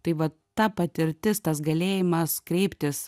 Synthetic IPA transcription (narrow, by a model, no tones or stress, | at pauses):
t̪ɐɪʋɐ | t̪ɐpɐt̪ʲɪɾʲt̪ʲɪst̪ɐs̬ɡɐlʲeːjɪmɐskɾʲɛɪpʲt̪ʲɪs